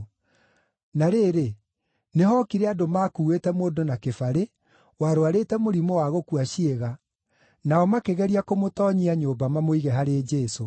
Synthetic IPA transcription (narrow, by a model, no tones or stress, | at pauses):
naɾeːɾe | neɦɔkiɾɛadomaːkuːwetɛmoːdonakefaɾe | waɾoaɾeːtɛmoɾimowaɣokuaʃieɣa | naɔmakeɣɛɾiakomotɔːɲiaɲoːbamamoiɣɛɦaɾeːd͡ʒɛːso